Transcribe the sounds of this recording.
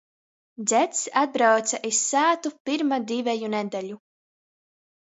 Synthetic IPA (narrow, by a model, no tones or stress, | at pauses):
d̪zʲɛt̪sad̪̚bɾawt̪saʔisːæːt̪upiɾmad̪ʲivɛjunɛd̪ɛʎʲu